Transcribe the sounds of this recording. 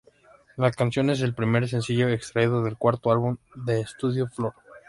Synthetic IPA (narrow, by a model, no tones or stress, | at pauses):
lakansjo̞ne̞s̬e̞lpɾime̞ɾs̬e̞nsiʝo̞ekst̪ɾaiðoðe̞lkwaɾt̪oalβund̪e̞ːst̪uðjo̞flo̞ɾ